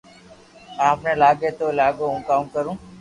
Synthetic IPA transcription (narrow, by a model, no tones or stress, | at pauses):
aːpneːlaːɡeːt̪oːlaːɡoːũːkaːũːkəɾũː